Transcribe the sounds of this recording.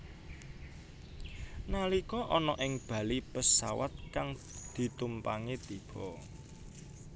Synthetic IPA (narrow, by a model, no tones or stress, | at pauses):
nalikɔʔɔnɔʔɪŋb̥ä̤lipəsawa̰t̪̚kaŋ | d̪̥i̤t̪umpaŋet̪ib̥ɔ